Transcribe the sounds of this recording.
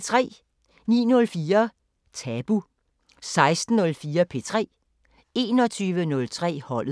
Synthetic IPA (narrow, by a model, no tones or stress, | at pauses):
t͡sʰʁɛ̰ː | nḭːnɔ̽lfiːɐ | t͡sʰɛb̥u | sɑ̈ɪsd̥n̩ɔ̽lfiːɐpʰe̝̰ːt͡sʰʁɛ̰ː | e̝ːnɒ̽t͡sʰyːʋənɔ̽lt͡sʰʁɛ̰ːhɒ̽l̰